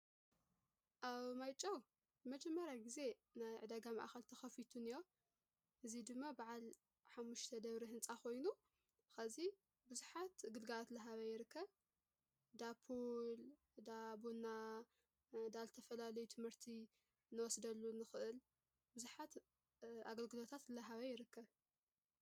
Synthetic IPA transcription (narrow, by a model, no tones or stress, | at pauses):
ʔaβmajt͡ʃʼːɐw | zɨmɐd͡ʒɐmːɐɾjaɡize̞najʕɨd̪ɐɡama̰ʔxɐlt̪ʰɐxɐfit̪ʰunɨjo | ʔɨzid̪ɨmːabaʕal | ħamːuʃt̪ʰɐd̪ɐβɾiɦɨnt͡sʼaxʰo̞jnu | xɐzi | bɨzuħat̪ɡɨlɡalat̪lɨɦaβɐjɪɾɨkʰːɐβ | d̪apʰol | d̪abuna | d̪azɨt̪ʰɐfɐlalɐjut̪ʰɨmhɨɾt̪ʰi | nːɨwɔsd̪ɐlːunɨxɨʔɨl | bɨzuħat̪ | ʔa̰ɡɐlɡɨlo̞t̪ʰat̪lɐɦaβɐjɪɾɨkːɐβ